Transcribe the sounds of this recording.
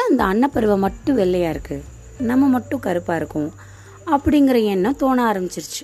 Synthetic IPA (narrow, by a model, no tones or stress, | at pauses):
aɐnd̪ɐɐɳːɐpːɐɾɯʋɐmɐʈːʊ̃ʋɛɭːɐjaːɪɾɯkːɯ | nɐmːɐmɐʈːʊ̃kɐɾɯpːaːɪɾɯkːʊ̃ | ɐpːɐɽɪŋɡɪɾɐɛnːɐ̃t̪oːnɐaːɾɐmbɪt͡ʃːɪɾɯt͡ʃːɯ̥